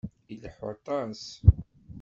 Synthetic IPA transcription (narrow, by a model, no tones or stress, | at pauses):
iləħʊɾt̪ˤɑns